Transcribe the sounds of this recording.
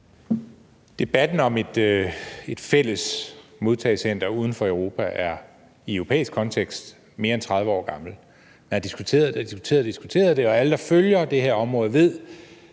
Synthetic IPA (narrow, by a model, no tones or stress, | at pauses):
d̥e̝b̥æd̥n̩ɒ̽me̝d̥ | e̝d̥fel̰əsmo̝ðˠt͡sʰɛɪsen̰d̥ɐuːð̞ˠn̩fɒ̽œʊʁo̝ːpʰæʔæɐ | iœʁo̝pʰḛːisɡ̥kʰɒ̽nt͡sʰeɡ̥sd̥ | me̝ːɐent͡sʰʁɑ̈ð̞ˠʋəɒ̰ːɡ̥ɑ̈ml̩ | menæɐd̥isɡ̥ut͡sʰe̝̰ːɐðˠd̥d̥isɡ̥u̥t͡sʰḛːɐð̩ˠd̥isɡ̥ut͡sʰe̝̰ːɐð̩ˠd̥e̝ɒ̽æləd̥ɑ̈føljɐd̥eɦheɐɒ̽mʁɔ̽ːð̩ˠʋe̝ð̞̰ˠ